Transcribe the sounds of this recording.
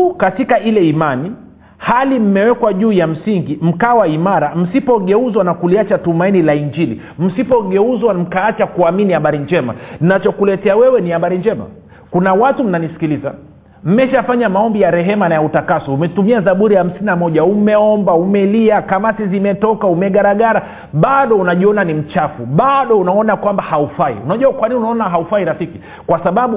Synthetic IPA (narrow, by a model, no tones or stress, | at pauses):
katikailɛimani | halim̩mɛwɛkwaʄuːjam̩siŋɡim̩kaːwaimaɾam̩sipɔɠɛuzwanakuliat͡ʃatumainilaiɲd͡ʒilḭ | m̩sipɔɠɛuzwam̩kaat͡ʃakuaminihaɓaɾiɲd͡ʒɛma̰nnat͡ʃɔkulɛtɛawɛwɛnihaɓaɾind͡ʒɛma̰ | kunawatum̩nanisi̥kiliza̰ | m̩mɛʃafaɲamaɔmbijaɾɛɦɛmanajautakasɔumɛtumiazaɓuɾiham̩sininamɔʄaumɛɔmbaumɛliakamasizimɛtɔkaumɛɠaɾaɠaɾa | ɓaɗɔunaʄiɔnanim̩t͡ʃafuɓaɗɔunaɔnakwambahaufaḭunaʄuakwaniniunaɔnaɦaufaiɾafiki | kwasaɓaɓu